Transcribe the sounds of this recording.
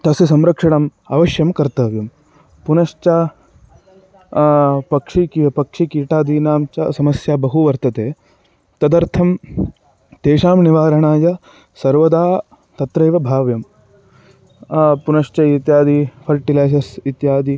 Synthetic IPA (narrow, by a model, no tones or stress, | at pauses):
t̪ɐsjisɐmɾɐkʂɐɽɐmɐ̰ʋɐʃjɐmkɐɾt̪ɐʋjɐm | punɐʂt͡ʃaː | pɐkʂikipɐkʂikiːʈaːd̪iːnaːmt͡ʃɐ̰sɐmɐsjaːbɐɦuʋɐɾt̪ɐt̪eː | t̪ɐd̪ɐɾt̪ʰɐm | t̪eːʃaːmniʋaːɾɐɳaːjɐ | sɐɾʋɐd̪aː | t̪ɐt̪ɾɐjʋɐbʱaːʋjɐm | punɐʂt͡ʃɐit̪jaːd̪ipʰɐɾʈilaːs̬ɐɾsit̪jaːd̪i